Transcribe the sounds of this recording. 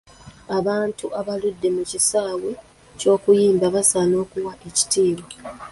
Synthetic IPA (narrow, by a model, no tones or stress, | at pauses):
aβaːntuʔaβaludːe̞mucisaːwe | co̞ːkujiːmbaβasaːno̞ːkuwaʔe̞ci̥tiːwa